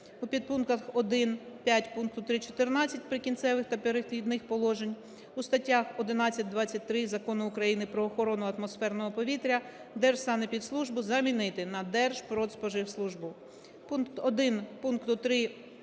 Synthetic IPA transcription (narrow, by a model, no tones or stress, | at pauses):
upʲid̪̚punkɐxɔd̪ɪnpʲjatʲpunk̚t̪ʊt̪ɾɪt͡ʃɔ̥t̪ɪrnɑt͡sʲːɐtʲpɾɪkʲint̪sɛʋɪxt̪ɐpeɾɪxlʲid̪nɪxpɔlˠɔʒenʲ | ust̪ɐtʲːaxɔd̪ɪnɑt͡sʲːɐt̚ʲd̪ʋɑt͡sʲːɐt̚ʲt̪ɾɪzɐkɔnʊːkɾɐjinɪpɾɔːxɔɾɔnʊɐt̪mɔsfɛrnɔɦɔpɔʋʲit̪ɾʲɐ | d̪ɛrʒ̥st̪ɑnɛpʲid̪slˠuʒbʊzɐmʲinɪt̪ɪnɐd̪ɛrʒ̥pɾɔt̪spɔʒɪwslˠuʒbʊ | punkt̪ɔd̪ɪnpunkt̪ʊt̪ɾɪ